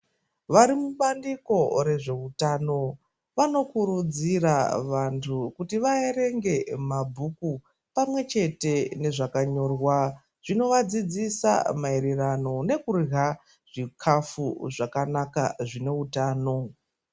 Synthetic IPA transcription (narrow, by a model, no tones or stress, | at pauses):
ʋaɾimuɓandiko̞re̞ʐe̞utaːno̞ | ʋano̞kuɾud͡ziraʋantʰukutiʋaeɾe̞ŋɡe̞mabʱuku | pamwe̞t͡ʃe̞te̞ne̞ʐakaɲo̞ːrwa | ʐ̥ino̞ʋad͡zid͡zisa̰maiɾirano̞ne̞kurɦa | ʐ̥ikʰafuʐakanaka̰ʐine̞utaːno̞